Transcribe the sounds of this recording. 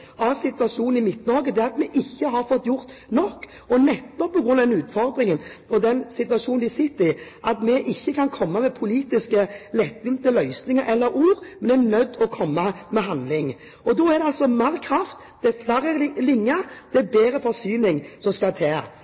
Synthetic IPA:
ɑsɪt̪ʋɑʂuːn̩ɪmɪt̪nɑːɡəd̪ɛːɑt̪mɛʔɪçːəɦɑɾfɔt̪ːjʊɾt̪ | nɔkː | ɔnɛt̪ːɔpːɔɡɾʉnɑd̪ɛnʉːt̪fɔɾd̪ʁɪŋənɔd̪ɛnsɪt̪ʉɑʂuːnnd̪ɪsɪt̪ːɪʔɑt̪mɛʔɪçːəkʰɑnkʰɔmːɑmɛpʰʊliːt̪ɪskəlɛt̪ːʋɪmt̪əlœʏsnɪŋəɾʔɛlːəɾuːɾmɛnɛnœd̪ːɔkʰɔmːɑmɛɦɑnd̪lɪŋ | ɔd̪ɔæɾd̪ɛɑlsɔmæɾkʰʁɑft̪ | d̪̥ɛæflæɾəlɪŋːəd̪̥ɛæbeːɾəfɔɾsyːnɪŋsɔmskɑt̪ʰeː

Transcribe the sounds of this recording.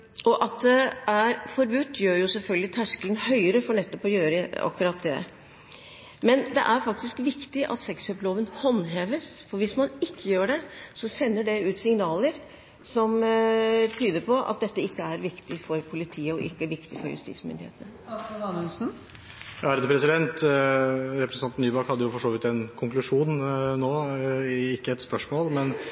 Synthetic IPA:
ɔʔɑt̪̚d̪ɛæɾfɔɾbʉt̪ːjøːɾjʊsɛlfœlɡ̪lɪt̪ʰæʂkələnhœʏəɾəfɔɳɛt̪ːɔpɔjøːɾəɑ̰kːʉɾɑt̪̚d̪ɛ̰ | mɛnd̪ɛ̰ʔæɾfɑk̚t̪ɪskʋɪkt̪ɪʔɑ̰t̪sɛksøploːʋənhɔnːɦeːʋəsfɔɾʋɪsmɑnɪkːəjøːɖɛsɔsɛnːəɖɛʉːt̪sɪŋnɑːləɾ | sɔm | t̪ʰyːd̪əɾpʰɔʔɑ̰t̪̚d̪ɛt̪ːəɪkːəæɾʋɪkt̪ɪfɔɾpʰʊlɪt̪ʰiːəɔʔɪ̰kːəæʋɪkt̪ɪfɔ̰ɾjʉ̰st̪ḭːsmʏ̰nd̪ɪ̰ḛːt̪ənə | ɑnəsn̩ | jæɾd̪əpʰɾɛsɪd̪ɛnt̪ | ɾɛpɾɛsnɑnt̪nyːbɑkhɑd̪ːəjʊfɔʂoːʋɪt̪ɛnkʰʊŋklʉʂuːnnoː | ɪkːəɛt̪spœʂmoːlmɛn

